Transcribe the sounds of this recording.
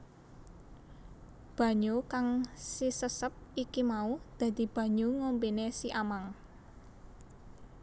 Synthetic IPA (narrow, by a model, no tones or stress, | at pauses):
b̥ä̤ɲokaŋsisəsəp̚ikimaud̪̥ä̤d̪̥i̤b̥ä̤ɲoŋombinesiʔamaŋ